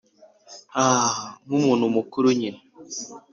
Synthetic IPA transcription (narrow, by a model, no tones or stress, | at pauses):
aːŋumun̤umukuɾuɲim